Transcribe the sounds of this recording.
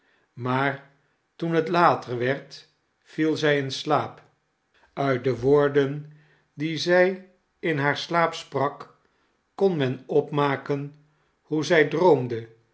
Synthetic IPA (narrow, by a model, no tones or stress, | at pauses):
maːɹ | tunɦətlaːtərʋɛɹt | filˠzɛjɪnslaːp | œɥt̚dəʋoːɹdən | dizɛj | ɪnɦaːɹslaːpsprɑkː | ɔnmɛnɔpmaːkən | huzɛjdrowmdə